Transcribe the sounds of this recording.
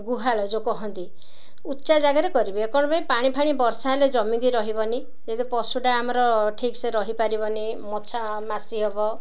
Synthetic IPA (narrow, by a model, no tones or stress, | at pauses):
ɡuɦaɭɔd͡ʒokɔɦɔnt̪i | ut̪ːt͡ʃad͡ʒaɡaɾekɔɾibiekɔɽ̃ɔpaĩpaɽ̃ipʰaɽ̃ibɔɾsaɦeled͡ʒɔmiɡ̪iɾɔɦibɔni | d͡ʒed̪ipɔsuɖaːmɔɾɔʈʰikseɾɔɦipaɾibɔni | mɔt͡ʃʰa | masiɦebɔ